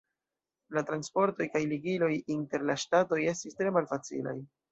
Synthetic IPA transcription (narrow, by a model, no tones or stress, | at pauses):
latɾanspo̞ɾto̞jkajliɡilo̞jinte̞ɾlaʃtato̞je̞stistɾe̞malfat͡sḭla̰j